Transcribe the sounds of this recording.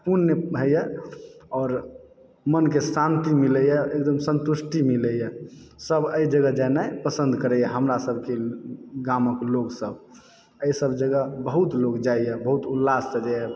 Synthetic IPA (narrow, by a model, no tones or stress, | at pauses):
punːeɦəjɛ | ɔːɾ | mənkesãnt̪imiləjɛek̚d̪əmsə̃nt̪uʃʈimiləjɛsəbəid͡ʒəɡəd͡ʒanaɛpəsə̃nd̪ʱkəɾɛjɛɦəmɾasəbʱkeɡaməkloɡsəb | əisəbd͡ʒəɡəbəɦut̪loɡd͡ʒaijɛbəɦut̪ulːast͡ʃəd͡ʒaɛ